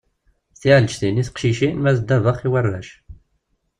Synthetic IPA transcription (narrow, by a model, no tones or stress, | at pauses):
θiʕlt͡ʃθiniθqʃiʃimæsd̪ævəχiwərːæ̰ʃ